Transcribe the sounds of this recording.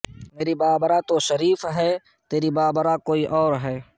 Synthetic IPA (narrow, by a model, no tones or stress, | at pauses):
meːɾibaːbəɾat̪oʃəɾiːfɦɛː | t̪eːɾibaːbəɾakoːiʔɔːɾɦɛː